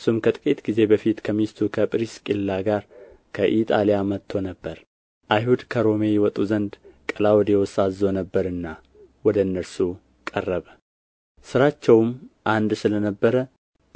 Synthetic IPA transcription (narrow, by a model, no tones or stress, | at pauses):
sumkʰət̪ʼkʼit̪ɡize̞bəfit̪kʰəmist̪ʰukʰəpʼɾiskʼilːaɡaɾ | kʰəʔit̪ʼalijamət̪ʰːo̞nəbːəɾ | ʔajɦud̪kʰəɾo̞me̞jɛwɔt̪ʼuzənd̪kʼəlawɔd̪jɛwɔsazo̞nəbːəɾɨnːa | wɔd̪əɨnːəɾsu | kʼərːəβə | sɨɾat͡ʃːɛwmʔand̪sɨlənəbːəɾə